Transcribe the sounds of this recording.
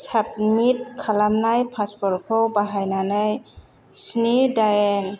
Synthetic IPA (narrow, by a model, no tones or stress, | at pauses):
sap̚mit̚kʰalamnajpʰaspɔɾkʰɔwbaɦajnanaj | snidajɛn